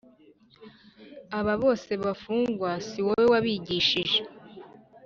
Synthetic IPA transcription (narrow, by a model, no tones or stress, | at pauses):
aβaβo̞ːse̞βafuːŋɡwasiwowewaβiɟiːʃiʒe